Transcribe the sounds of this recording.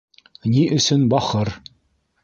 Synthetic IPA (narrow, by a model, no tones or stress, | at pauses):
niʔɵ̆sɵnbɑχɤɾ